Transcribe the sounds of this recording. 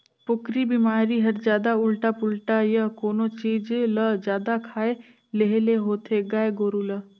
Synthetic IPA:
pʊkɾibimaːɾiɦɐɾd͡ʒjaːd̪aʊlʈapʊlʈajəkoːnot͡ʃiːd͡ʒeləd͡ʒjaːd̪akʰaːe | leɦeleɦoːt̪ʰeɡaːeɡoːɾulə

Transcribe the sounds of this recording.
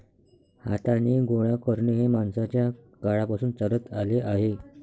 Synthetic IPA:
ha̰t̪aneɡoɭakəɾɳeɦemaɳsat͡ɕja | kaɭapasuːnt͡səɾət̪aleʔaɦe

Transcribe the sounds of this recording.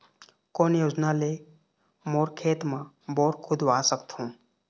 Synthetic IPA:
koːnjoːd͡ʒnale | moːɾkʰeːt̪mã | boːɾkʰʊd̪ʋaːsəkt̪ɦũː

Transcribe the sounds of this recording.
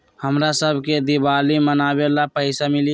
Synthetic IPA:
həmɾasəbʱked̪ibalimənabelapəɪsamili

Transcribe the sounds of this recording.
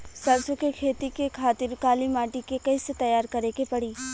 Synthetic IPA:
sɐbsõkekʰeːt̪ikekʰaːt̪ɪɾkaːlimaːʈikekɐiset̪ɐjaːɾkɐɾekepɐɽiː

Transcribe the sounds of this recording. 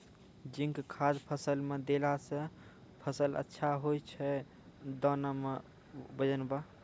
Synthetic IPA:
d͡ʒiŋkkʰad̪pʰəsəlmed̪elasə̃ | pʰəsələ̰tːʃʰaɦojt͡ʃʰɛ | d̪ɔname | bəd͡ʒənba

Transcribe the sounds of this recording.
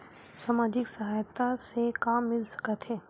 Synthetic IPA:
saːmaːd͡ʒɪksɐɦaːjt̪asekaːmːɪlsɐ̥kət̪ɦɛː

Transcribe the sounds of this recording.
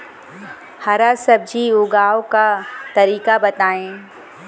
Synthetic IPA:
haɾasɐb̚d͡ʒiʊɡaːokat̪ɐɾiːkabɐt̪aːẽː

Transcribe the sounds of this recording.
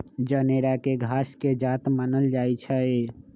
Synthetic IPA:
d͡ʒəneɾakeɡʱasked͡ʒat̪manəld͡ʒait͡ʃʰɛe

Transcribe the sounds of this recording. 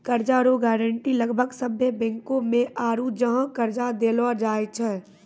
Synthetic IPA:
kəɾd͡ʒaɾoɡɛːɾə̃ɳʈiləɡbʱəɡsəbʱjəbɛ̃ːŋkõmẽʔaːɾud͡ʒəɦãkəɾd͡ʒad̪eːlad͡ʒaːet͡ʃʰɛː

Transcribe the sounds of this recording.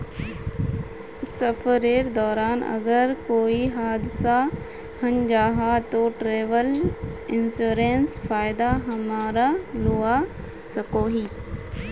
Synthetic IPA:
sɐfəɾeːɾd̪ɔːɾaːnʔɐ̰ɡəɾkoːiɦaːd̪ɪsa | hɐnd͡ʒaːɦat̪oːʈɾeːʋəlɪnsuːɾeːnsfaːɪd̪aɦɐmaːɾaluːa | sɐkoːɦiː

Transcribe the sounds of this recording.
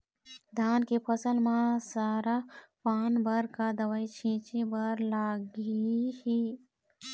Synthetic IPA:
d̪ʱaːnkepʰəsəlmãsaːɾapaːnbəɾkad̪əwaːit͡ʃʰĩːt͡ʃibəɾlaːɡihi

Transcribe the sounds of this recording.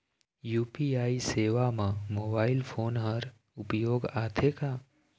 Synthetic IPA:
juːpiaːiseːʋamãmoːbaːilpʰoːnɦəɾ | ʊpjoːɡat̪ʰeka

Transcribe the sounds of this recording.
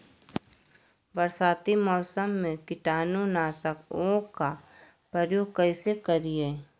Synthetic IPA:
ʋəɾsaːt̪imɔːsəmːẽkɪʈaːnunaːsəkoka | pɾəɾjoːɡ̚kəɪsekəɾiɛː

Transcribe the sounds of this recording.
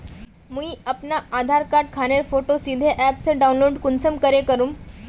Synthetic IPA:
muiapnaad̪ʱaɾkaɾʈkʰaɽ̃eɾfoʈosid̪ʱeʔæpsəɖaunloɖkunt͡səmkəɾekəɾuːm

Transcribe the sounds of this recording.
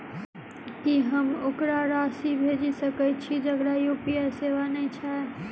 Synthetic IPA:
kiɦəmokɾaɾaːsibʱeːd͡ʒisəkɛt͡ʃʰid͡ʒəɡɽajoːpijaseːʋanəĩt͡ʃʰa

